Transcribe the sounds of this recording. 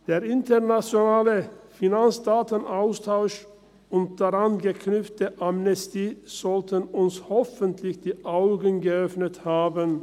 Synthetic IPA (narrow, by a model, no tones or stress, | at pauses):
d̥eːɐʔɪntəʁnat͡sjonaːləfinant͡sd̥aːtənʔaʊstʰaʊʃ | ʊnt̚d̥aʁanɡəkʰnʏpp͡ftəʔamnɛstiːz̥ɔltənʊnshɔfəntʰlɪçd̥iːʔaʊɡənɡəœfnəthaːbən